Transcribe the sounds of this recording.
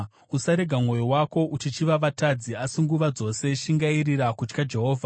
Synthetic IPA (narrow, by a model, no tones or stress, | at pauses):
usaɾe̞ɡʱamŋo̞jowako̞ʔut͡ʃit͡ʃiʋaʋatad͡ziasiŋɡuʋad͡zo̞se̞ʃiŋɡairiɾakut͡ʃkad͡ʒe̞ɦo̞ːvʱa